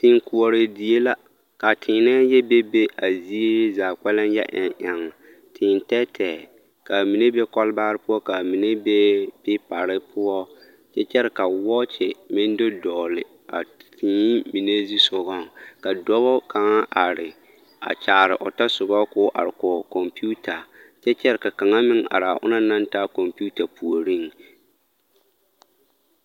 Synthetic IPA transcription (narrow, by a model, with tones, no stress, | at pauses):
tɪ˨ŋku˨o˨ɾɪ˨di˨e˦la˦ | ka˨tʰɪː˨nɛ˦jɛ˦be˦be˦a˨zi˦e˦ɾzaː˨k͡pɛ˦lɪ˦njɛ̰˦ʔɪ˨ŋʔa˨ŋa˨ | tʰɪ˨ntɛ˦tʰɛː˨ | ka˨mi˨ne˦be˦kɔ˦lbaː˦ɾɪ˦pʊ˦ɔ˦ka˨mi˨ne˦be˦pɪ˦pa˨ɾɪ˦pʰʊ˦ɔ˦ | t͡ʃɛ˦t͡ʃɛ˦ɾɪ˨ka˨wɔ˦t͡ʃɪ˨mɪ̃˦n˦do˦dɔː˨lɪ˨ | a̰˨tʰĩː˨˦mi˨ne˦zi˦sʊ˨ɣɔ˦˨ka˨dɔ˦βɔ˦ka˨ŋa˦ʔa˨ɾɪ˨ | a̰˨t͡ʃaː˨ɾɪ̰˨ʔɔ˨ta˦sʊ˨bɔ˦kʊː˦ʔa̰˨ɾɪ˨kɔ˨kɔ˨mpu˦tʰa˨ | t͡ʃɛ˦t͡ʃɛ˦ɾɪ˨ka˨ka˨ŋa˦mɪ˦ŋa̰˨ɾa˨ʔʊ̰˦na˦na˦nta˦kɔ˨mpu˦ta˨pu˨o˨ɾi˦˨ŋ